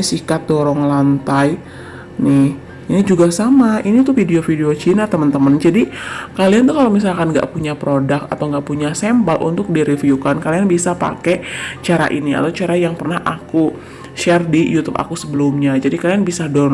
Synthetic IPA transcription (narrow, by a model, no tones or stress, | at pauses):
sikat̪̚dɔɾɔŋlant̪aj | nɪh | inid͡ʒuɡasamainit̪ufideofideot͡ʃinat̪əmənt̪əmənd͡ʒadikaliant̪ukalawmis̬alkanŋɡa̰ʔpuɲapɾodak̪̚a̰t̪awŋɡaʔpuɲasɛmbalʔṵnt̪ʊk̚diɾifiukankalianbisapa̰kɛt͡ʃaɾa̰ʔinia̰t̪awt͡ʃaɾajaŋpərnaɦʔaku | ʃɛrdijut̪upa̰kusəbəlʊmɲad͡ʒadikalianbisadɔ